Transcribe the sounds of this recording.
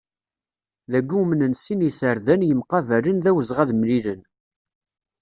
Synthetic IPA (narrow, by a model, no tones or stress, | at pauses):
ðæɡːumənənsinisəɾðænjəmqɑvælənðæwəzʁæðmlilən